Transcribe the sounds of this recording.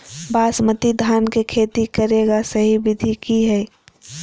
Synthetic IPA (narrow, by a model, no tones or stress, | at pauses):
baːsmət̪id̪ʱaːnkekʰeːt̪ikəɾeːɡasəɦibɪd̪ʱikiɦɛː